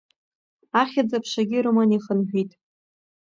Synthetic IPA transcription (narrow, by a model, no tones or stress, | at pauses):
aχʲad͡zapʰʂaɡʲɪrɨmaniχənħᶣitʼ